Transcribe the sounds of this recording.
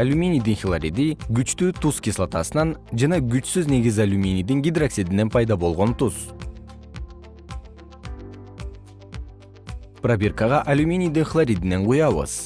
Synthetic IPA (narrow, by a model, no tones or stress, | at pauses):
alʲumʲinʲijd̪inxʲilˠaɾʲid̪iɡyt͡ʃt̪yːt̪uskʲislˠat̪ɑsɯnɑnd͡ʒɑnɑɡyt͡ʃsyzne̞ɡʲizalʲumʲinʲijd̪iŋɡʲid̪raksid̪ine̞npʰɑjd̪ɑbo̞lˠʁo̞nt̪us | prabʲerkɑʁɑʔalʲumʲinʲijd̪inxlˠaɾʲid̪ine̞ɴqujɑβɯ̰z̥